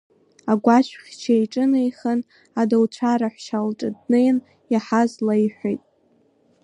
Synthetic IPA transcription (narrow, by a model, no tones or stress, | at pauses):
aɡʷaʃʷʰχʲt͡ʃʰajʈ͡ʂʼɨnejχən | adalt͡ʃʷʰaɾaħʷʃalʈ͡ʂʼadnejn | jaħazlajħʷojtʼ